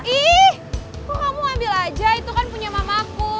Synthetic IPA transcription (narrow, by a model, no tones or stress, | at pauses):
ihkukamuambɪlad͡ʒait̪ukanpuɲamamaku